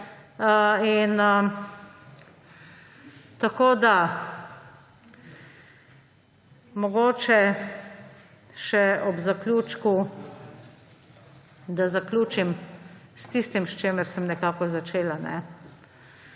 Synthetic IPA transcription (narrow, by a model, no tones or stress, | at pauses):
əinə | t̪akoːd̪a | mɔɡoːt͡ʃɛ | ʃɛɔbzaklʲjuːt͡ʃku | d̪azaklʲuːt͡ʃimst̪ist̪imʃt͡ʃeːmɛɾsɛmnɛkaːkɔzat͡ʃeːlanɛ̰